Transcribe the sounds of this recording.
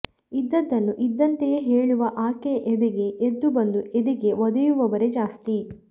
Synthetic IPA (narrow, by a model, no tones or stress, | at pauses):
id̪ːɐd̪ːɐnːuʔid̪ːɐnt̪ejeɦeːɭuʋɐʔaːkeʔed̪ɛɡe̞ʔːd̪ːubɐnd̪ued̪iɡe̞ʋɔd̪ɐjuʋɐʋɐɾe̞d͡ʒaːst̪i